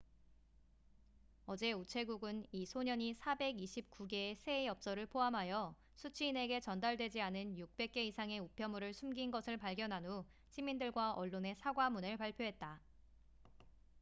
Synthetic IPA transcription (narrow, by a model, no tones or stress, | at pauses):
ʌd͡ʑe̞ut͡ɕʰe̞ɡuɡɯnisʰoɲʌɲisʰabe̞ɡiɕʰip̚k͈uɡe̞ːsʰe̞jʌp̚s͈ʌɾɯɭpʰoɦamɦajʌ | sʰut͡ɕʰiːne̞ɡe̞t͡ɕʌndaɭdwe̞d͡ʑianɯnjuk̚p͈e̞k̚k͈e̞isʰaŋe̞upʰjʌmuɾɯɭsʰumɡinɡʌsʰɯɭpaɭɡjʌnɦanu | ɕʰimindɯɭɡwaʔʌɭːone̞sʰaɡwamunɯɭpaɭpʰjoɦe̞t̚t͈a